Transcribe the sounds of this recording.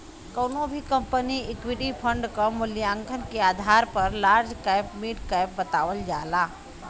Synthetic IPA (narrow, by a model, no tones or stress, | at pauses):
kəʊnobʱikə̃mpəniɪkwiʈipʰə̃ɳɖkɔmʊljãŋɡʰʱənkeaːd̪ʱaːɾpəɾlaːɾd͡ʒkajpmiːʈkajp̚bət̪aːʋəld͡ʒaːlaː